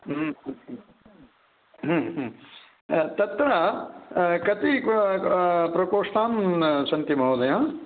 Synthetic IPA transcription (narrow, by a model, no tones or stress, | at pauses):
ɦɦ | t̪ɐt̪ɾɐ | kɐt̪i | pɾɐkoːʂt̪aːnsɐnt̪imɐɦoːd̪ɐjãː